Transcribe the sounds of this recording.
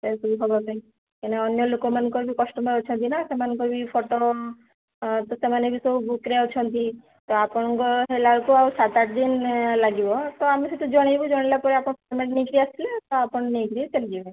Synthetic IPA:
sesubuɦɔbɔkai | keneɔnjɔlokɔmankɔbʱikɔsʈɔmot͡ʃʰɔnt̪inasemankobʱipʰoʈo | t̪ɔsemanebʱisoubukɾeɔt͡ʃʰɔnt̪i | t̪ɔapɔɽ̃ɔkɔɦelaɭkuawsat̪aʈ̚d̪inlaɡibɔt̪ɔamiset̪ʰud͡ʒɔɽ̃ajbud͡ʒɔɽ̃elapɔɾiapɔɳ̃pʰɔɾmeʈniɡɾiasilet̪ɔapɔɽniɡɾit͡ʃeld͡ʒibe

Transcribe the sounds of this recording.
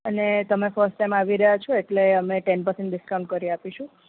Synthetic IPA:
ənet̪əmefəɾsʈːajmaʋiɾəɦjat͡ʃʰɔeʈleəmeʈɛnpəɾsẽɳʈɖɪskaw̃ɳʈ̚kəɾiapiʃũ

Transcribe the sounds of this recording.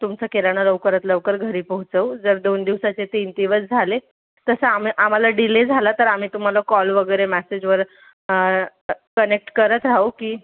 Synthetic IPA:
t̪umt͡səkelaɽ̃ələʋkəɾət̪ləʋkəɾɡʱəɾiːpəɦut͡səwd͡zəɾd̪ond̪iʋsat͡set̪int̪iʋət͡sd͡zʱale | t̪əsəamiʔam̤alaɖiled͡zʱalat̪əɾam̤iːt̪um̤alakɔlʋəɡəjɾemæsed͡ʑʋəɾ | kənek̚ʈkəɾət̪ɾaukiː

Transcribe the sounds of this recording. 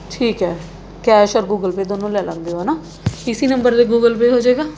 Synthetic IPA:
ʈʰiːkɦɛː | kɛːʃɔːɾɡuːɡəlpeːd̪oːnõːlɛːlãːnd̪eoːnaː | ɪsiːnəmbəɾd̪eːɡuːɡəlpeːɦoːd͡ʒeːɡaː

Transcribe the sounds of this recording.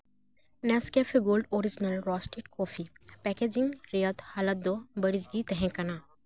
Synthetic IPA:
nɛskefʰiɡoːlɖoːɾid͡ʒnəlɾɔsʈeʈkɔːfʰipɛked͡ʒĩŋɡɾejət̪halət̪̚d̪obɐɾid͡ʒɡit̪ɛɦɛ̃kɐnaː

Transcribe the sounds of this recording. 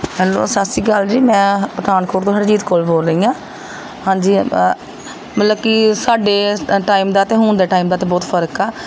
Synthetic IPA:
mɛːnõ̰ːsasiːɡəld͡ʒiːmɛ̃ːpɾəd̪aːnkoːʈt̪õːəd͡ʒiːt̪koːlboːlɾəiːãː | hãːd͡ʒiː | mət̪ləb̚kɪsaːɖeːʈaːiːmd̪aːt̪ẽːɦʊːnd̪eːʈaːimd̪aːt̪eːbɔːt̪pʰəɾəkɛː

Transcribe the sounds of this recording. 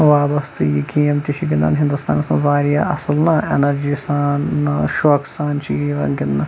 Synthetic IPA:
ʋaːbɐst̪ɨjikʲijɐmt̪iʃʰiɡind̪a̰ːnɦĩnd̪ust̪ʰa̰ːnɐsmɐzʋaːɾijaʔɐsɨlnɐḛnɐɾd͡ʒiːsaːnːɐʃoːksaːnt͡ʃʰiʋɐ̰nɡʲɪnnɐ

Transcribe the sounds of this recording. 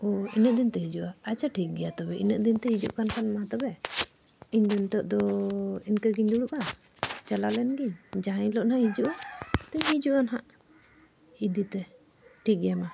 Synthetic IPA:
ɔinəʔ̚d̪int̪ɛɦid͡ʒuʔaat͡ʃʰaʈʰik̚ɡɛjat̪ɔbɛʔḭnəʔd̪int̪ɛhid͡ʒṵʔkankanmat̪ɔbɛ | iɲd̪int̪ɔʔd̪ɔinkaɡiɲd̪uɽuʔa | t͡ʃalalɛnɡiɲd͡ʒaɦaɲlɔʔnahid͡ʒuʔt̪ɛɲɦid͡ʒuʔanɦaʔ | id̪it̪ɛ | ʈʰik̚ɡɛjama

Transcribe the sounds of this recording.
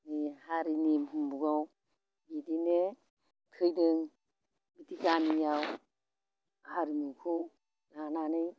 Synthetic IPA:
nihaɾinimhumbuɡaw | bidine | tʰɯjdɯŋ | bitikanijaw | haɾinukʰu | lananɯj

